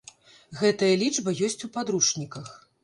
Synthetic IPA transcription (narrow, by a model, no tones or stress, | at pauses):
ɣɛt̪ɐjɐlʲid͡ʐbɐjɔsʲt͡sʲupad̪ɾuʂnʲikɐx